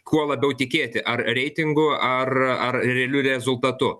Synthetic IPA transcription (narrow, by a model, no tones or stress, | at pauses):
kʰuɔlˠɐbʲɛʊt̪ʲɪkʲeːt̪ʲɪʔɐrɾʲɛɪt̪ʲɪŋɡʊɐrɐrɾʲɛːlʲʊɾʲɛzʊlˠt̪ɐt̪ʊ